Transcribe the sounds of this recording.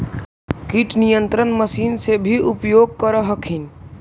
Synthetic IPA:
kiʈnijənt̪ɾənməsinsebʱiʔupjoɡ̚kəɾəɦəkʰin

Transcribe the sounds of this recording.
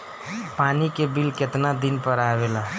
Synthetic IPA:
paːnikebilket̪nad̪inpəɾaːʋela

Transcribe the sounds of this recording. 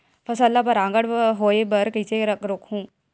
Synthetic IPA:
pʰɐsəlːapɐɾãːŋɡəɽɦoːebəɾkit͡ʃeɾəkɾʊkhũː

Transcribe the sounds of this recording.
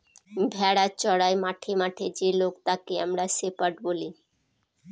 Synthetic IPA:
bʱɛɽat͡ɕɔɽaemaʈʰemaʈʰed͡ʑelokt̪akeamɾasepaʈboli

